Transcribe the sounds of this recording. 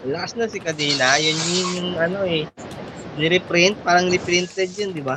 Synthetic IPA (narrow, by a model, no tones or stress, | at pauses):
lɐkɐsnɐsɪkɐd̪ɛːlajɐnjʊŋʊŋɐno̞ɛ | nɪɾɪpɾɪnt̪̚paːɾɐŋɾɪpɾɪnt̪ɛd̪̚jand̪ɪba